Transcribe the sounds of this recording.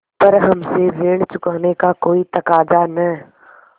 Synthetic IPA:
pɐɾɦɐmsebeːɽ̃t͡ʃʊkaːnekakoːit̪ɐkaːd͡ʒanɐ

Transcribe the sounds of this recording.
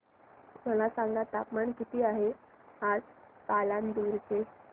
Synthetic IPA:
m̤əlasãŋɡat̪apmaɳkit̪iːaɦe | ad͡z | paland̪uɾt͡se

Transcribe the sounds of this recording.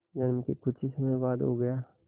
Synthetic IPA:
d͡ʒɐnmkikʊt͡ʃʰisɐmɛjbaːd̪ɦo̰ɡɐjaː

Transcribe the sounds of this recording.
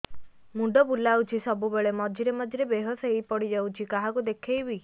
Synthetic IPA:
muɖɔbulːawt͡ʃʰisɔbubeɭemɔd͡ʒʱiɾemɔd͡ʒʱiɾebeɦɔsejpɔɽid͡ʒawt͡ʃʰikaɦakud̪ekʰejbi

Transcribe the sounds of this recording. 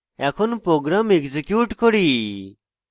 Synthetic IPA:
ɛkʰonpɾoːɡɾamekzekjuːʈkɔɽi

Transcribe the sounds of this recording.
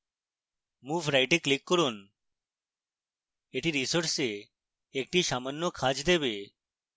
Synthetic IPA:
mufɾajʈeklikːɔɾun | eʈiɾisoɾʈse | ek̚ʈiʃamanːokʰad͡ʑd̪ebe

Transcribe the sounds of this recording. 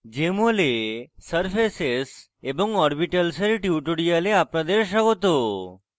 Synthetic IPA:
d͡ʒemolesəɾfeses | ebɔŋɡɔɾbiʈəlseɾʈjuʈuɽijaleapɳad̪eɾʃaɡot̪o

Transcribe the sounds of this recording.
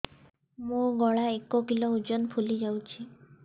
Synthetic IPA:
mũɡɔɭaekɔkilɔud͡ʒɔnpʰulid͡ʒawt͡ʃʰi

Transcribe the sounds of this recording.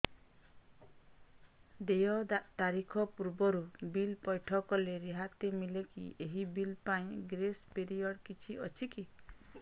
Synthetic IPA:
d̪ejɔd̪aʔt̪aɾikʰɔpuɾbɔɾubilpɔjʈʰɔkɔleɾiɦat̪emilekḭeɦibilpaĩɡɾespeɾijɔɽkit͡ʃʰiʔɔt͡ʃʰiki

